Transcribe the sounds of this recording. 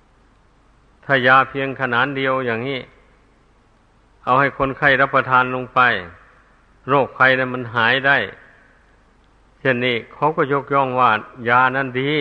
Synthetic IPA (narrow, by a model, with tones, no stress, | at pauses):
t̪ʰaː˧˩jaː˧pʰi˧əŋkʰa˧naː˨˦˥ndi˧˨əwjaː˧˩ŋniː˧˩˨ | ʔa˧˩wha˧˩jkʰo˧˥˨nkʰa˧˥˩jla˧˩pːa˧t̪ʰaː˧˥nlo˧ŋpa˧j | ɾoː˧˩k̚fʰa˧jna˧˨jma˧˥˨nɦaː˨˦jda˧˩j | se˧˩˨nːiː˧˩kʰa˧˥˩wkɔː˧˩ɲo˧˥˨k̚jɔː˧˩˨ŋwaː˧˩jaː˧na˧˥˨ndiː˧